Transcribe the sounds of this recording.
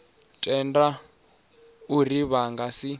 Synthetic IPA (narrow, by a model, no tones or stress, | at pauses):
tʼɛnda | uriβaŋɡasi